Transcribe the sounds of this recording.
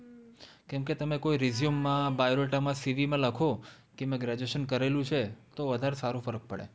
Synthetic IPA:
kɛ̃mket̪əmekoiɾizijumːãbajɾoʈamãsiʋimãləkʰo | kemẽɡɾɛd͡ʒeʃənkəɾelũt͡ʃʰet̪oʋəd̪ʱaɾesaɾũfəɾək̚pə̰ɭḛ

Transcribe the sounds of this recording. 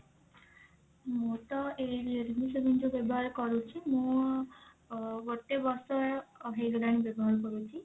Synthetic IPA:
moʈ̪ɔeɾieɾinisebind͡ʒobebɔɦaɾɔkɔɾut͡ʃʰimũ | ʋɔʈːebɔsɔɦeɡɾaɽ̃ibebɔɾɔɽɔkɔɾut͡ʃʰi

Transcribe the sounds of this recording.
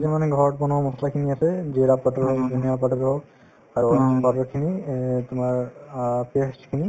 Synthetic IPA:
zɛmanɛɡʱɔɹɔt̚bɔnɔamɔslakʰiniasɛziɾapatɔɹɔzuniapatuɡɔɹɔ | aɹupatɔɹkʰinitʊmaɹpeskʰini

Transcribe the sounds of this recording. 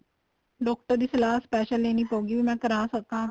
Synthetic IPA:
ɖɔːk̚ʈəɾd̪iːsɐlaːɦspɛːʃəlleːnipoːɡibimɛ̃ːkəɾãːsəkãː

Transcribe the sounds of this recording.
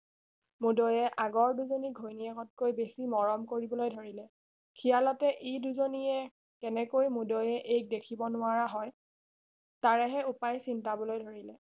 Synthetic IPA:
mudɔjɛʔaɡɔɹduzoniɡʱojniaɡɔt̚kojbesimɔɹɔmkoɹibɔlojdʱoɹilɛ | kʰijalɔtɛʔeduzoniɛ | kɛnɛkojmudojɛʔejk̚dekʰibɔnʊaɹaɦɔj | taɹɛɦɛupajsintabɔlojdʱoɹilɛ

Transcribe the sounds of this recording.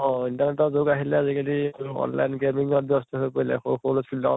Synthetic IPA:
ɔ̃intanɛtɔzoɡaɦilɛazikaliɔ̰nla̰jnɡemiŋɔt̚biɔstɔɦojpoilɛ̰xoxoloskilɔ̰

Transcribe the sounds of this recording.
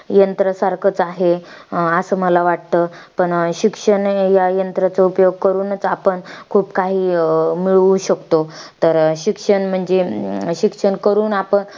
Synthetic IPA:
jənt̪ɾəsaɾkʰət͡saɦeəsəːməlaʋaʈ̚t̪əpəɳɕikʂəɳjajənt̪ɾat͡səupjoɡ̚kəɾuːnət͡sapəɳkʰuːpkaɦiːmiɭuɕəkt̪ot̪əɾɕikʂəɳm̤əɳd͡zeɕikʂəɳkəɾuːnapəɳ

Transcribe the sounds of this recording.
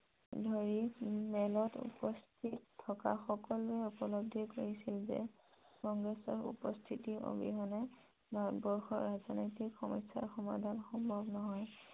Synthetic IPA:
dʱoɹimɛlɔtṵpɔstʰittʰːɔka̰xɔkɔluɛupɔlob̚dʱikoɹisilzɛ̰ | kɔŋɡɹɛsɔɹṵpɔstʰitiʔo̰bḭɦɔnɛ | bʱatbɔɹxɔ̰ɹazɔnojtikxɔmɔjsa̰ɹxɔma̰dʱanxɔmbʱɔbnɔɦɔj

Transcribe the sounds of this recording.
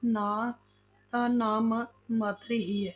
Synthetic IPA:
naː | t̪anaːmmɐt̪ɾiɦiɛ

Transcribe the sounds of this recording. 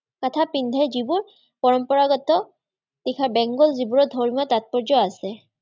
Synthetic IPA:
katʰapindʱɛzibuɹ | pɔɹɔmpɔɹaɡɔtɔ | tikʰabɛŋɡɔlzibuɹɔdʱɔɹmiɔtat̚pɔɹzɔasɛ

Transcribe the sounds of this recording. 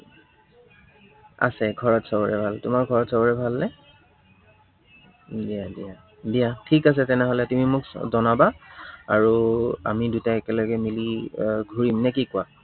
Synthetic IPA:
a̰sɛɡʱɔɹɔtsɔbɔɹɛbʱaltʊmakɡʱɔɹɔtsɔbɔɹɛbʱalnɛ | diadia | biatʰikas̬ɛtɛnɛɦɔlɛtumimʊkzɔnabaaɹua̰midutaɛkɛlɔɡɛmiliɡʱuɹimnɛkikʊa

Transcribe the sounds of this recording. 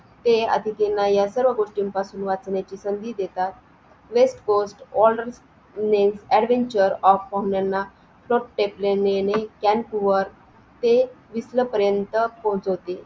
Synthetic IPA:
t̪eə̰d̪ʱik̪enːajasəɾʋəɡoʂʈiːmpasuːnʋat͡snjat͡ɕiːsənd̪iːd̪et̪at̪̚ | ʋesʈkosʈɔlɖəɾs | nemsɛɽʋeɲt͡ɕəɾɔfpaɦuɳjanːa | flɔʈʈeplenenekɛnpuʋəɾ | t̪e | ʋisləpəɾjənt̪əpɔ̃ɦt͡sɦot̪e

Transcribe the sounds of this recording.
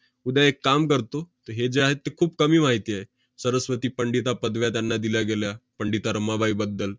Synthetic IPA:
ud̪jaekːamkəɾt̪ot̪əɦed͡ʑeaɦet̪ːekʰuːpkəmiːmaɦit̪iːaɦe | səɾəsʋət̪iːpəɳɖit̪apəd̪ʋjat̪janːad̪iljaɡeljapəɳɖit̪aɾəmabʱaibəd̪ːəl

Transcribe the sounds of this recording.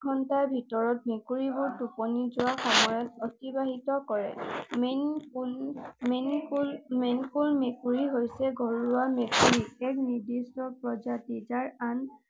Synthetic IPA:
ɔntaɹbʱitɔɹɔt̚mekuɹibʊɹtupɔnizʊwaxɔmɔjɔt̚pɔtibaɦitɔkɔɹɛ̰m | menlmenkulmekuɹiɦojsɛɡʱɔɹuamekuɹiɛknidistɔpɹɔzatizaɹan

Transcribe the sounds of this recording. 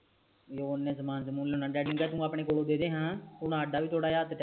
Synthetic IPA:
joːnːẽːzəmaːnsəmuːnlːonãːɖɛːɖɪ̃ŋɡɡɛːt̪ũːaːpɳ̃eːkoːɽoːd̪eːd̪eːɦãːʊnaːɖaːʋiːt̪ʰoːɽaːjaːt̪ʈː

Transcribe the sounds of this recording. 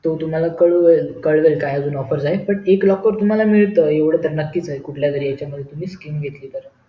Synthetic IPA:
t̪ot̪um̤alakəɭʋelkəɭʋelkajəd͡zuːnɔfəɾd͡zaepəɳeklɔkːəɾt̪um̤alamiɭt̪əeʋɽ̤ət̪əɾnəkːiːt͡saɦekuʈʰljad͡zəɾiːjat͡ɕjaməd̪ʱːjet̪um̤iːskimɡʱet̪liːt̪əɾ

